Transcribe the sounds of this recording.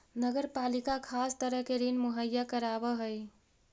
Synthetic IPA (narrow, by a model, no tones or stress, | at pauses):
nəɡəɾpalikakʰast̪əɾəɦkeɾinmuɦəjːakəɾabəɦəj